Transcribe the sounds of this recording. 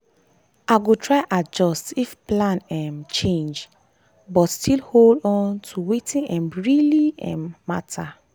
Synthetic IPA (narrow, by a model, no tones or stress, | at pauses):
ʔaɡotʰɹaɪʔad͡ʒɔstifplãnɛ̃mt͡ʃẽnd͡ʒ | bɔtstʰilholdɔ̃ntʰuwetĩnʔɛ̃mɹiliɛ̰̃mːatʰa